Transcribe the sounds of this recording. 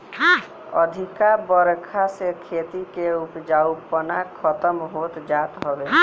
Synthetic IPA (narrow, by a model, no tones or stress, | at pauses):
ɔ̰d̪ʱikabɔɾkʰasekʰet̪ikeupd͡ʒaupənakʰɔt̪əmɦot̪d͡ʒat̪ɦɔbe